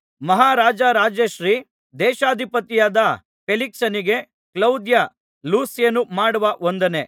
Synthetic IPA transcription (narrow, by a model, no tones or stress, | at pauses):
mɐɦaːɾaːd͡ʒɐɾaːd͡ʒeʃɾiː | d̪ɛːʃaːd̪ʱipɐt̪ijaːd̪ɐ | peliksɐniɡe̞ | klɐwd̪jɐ | luːsjɐnːumaːɽuʋɐʔond̪ɐne